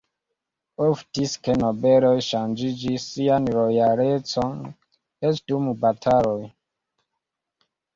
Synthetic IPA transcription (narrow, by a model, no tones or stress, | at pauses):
oftiskenobelojʃand͡ʒid͡ʒisːianɾojaɾet͡son | et͡ʃdumubatʰaloj